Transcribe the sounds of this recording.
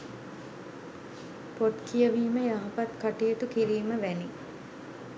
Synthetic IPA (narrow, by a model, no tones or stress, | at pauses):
poʈkʰijəʋiːməjaɦɐpat̪kaʈijət̪ukiɾiːməʋæni